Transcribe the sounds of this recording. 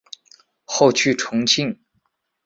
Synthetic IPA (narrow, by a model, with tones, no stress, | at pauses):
xo˥˧ʊt͡ɕʰy˥˩ʈ͡ʂʰʊ˧˥ŋt͡ɕʰi˥˩ŋ